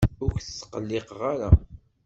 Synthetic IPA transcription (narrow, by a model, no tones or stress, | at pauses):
ʊçθəsːə̥qəlːɪqʁaɾa̰